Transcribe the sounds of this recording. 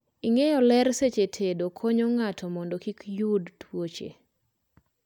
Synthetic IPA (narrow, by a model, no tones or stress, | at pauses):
iŋejɔlɛɾset͡ʃetʰedokʰoɲɔŋatʰɔmɔndokikjudtwot͡ʃḛ